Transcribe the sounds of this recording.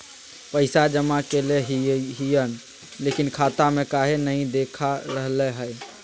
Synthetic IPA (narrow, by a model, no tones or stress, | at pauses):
pəɪsad͡ʒəmakeleɦɦijən | leːkinkʰaːt̪amẽkaːɦenəɦĩd̪eːkʰaɾəɦlɛɦəɪ